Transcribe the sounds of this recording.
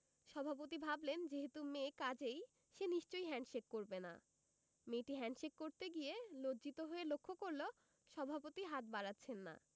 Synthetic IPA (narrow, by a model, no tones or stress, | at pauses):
ʃɔbʱap̬ot̪ibʱablend͡ʑeɦet̪umekad͡ʑej | ʃeniʃt͡ɕojɦɛɳʃekːoɾbena̰ | meʈiɦɛɳɖʃekːoɾt̪eɡielodd͡ʑit̪oɦoelokʰːokoɾlo | ʃɔbʱapot̪iɦat̪̚baɾatːɕʰenːa̰